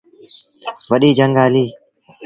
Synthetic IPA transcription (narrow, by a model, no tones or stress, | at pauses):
ʋəɗiːd͡ʒəŋɡaːliː